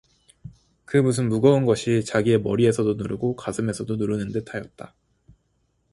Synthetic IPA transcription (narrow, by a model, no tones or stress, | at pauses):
kɯmusʰɯnmuɡʌunɡʌɕʰit͡ɕaɡie̞mʌɾie̞sʰʌdonuɾɯɡokasʰɯme̞sʰʌdonuɾɯnɯnde̞tʰajʌt̚t͈a